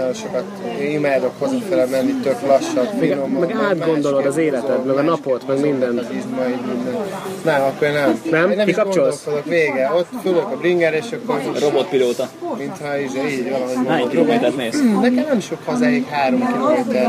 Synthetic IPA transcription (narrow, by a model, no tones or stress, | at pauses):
oʃo̞kɒt̪imaːd̪o̞khozot̪fɛlɛmɛnːit̪øklɒʃːɒbmɛiɡnommɛɡaːd̪ɡo̞nd̪o̞lo̞d̪ɒzeːlɛt̪ɛt̪mɛɡɒnɒpo̞t̪mɛɡmind̪ɛnt̪izmɒidmind̪ɛnnɛmɒkːoɾnɛmnɛmnɛmkikɒpɡt͡ʃoloolkod̪okveːɡɛot̪ːfobod̪okɒbɾiŋɡɛɾeːʃɒkːoɾro̞bot̪̚piloːt̪ɒmint̪hɒiʒiːɟʋɒlɒɦomoɛkiɾobet̪at̪neːsnɛkɛmnɛmiʃokhɒzaikɦaːɾo̞mkiloet̪ɛ